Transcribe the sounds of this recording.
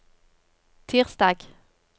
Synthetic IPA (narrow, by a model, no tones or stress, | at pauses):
t̪ʰiːʁsd̪ɑːɡ̥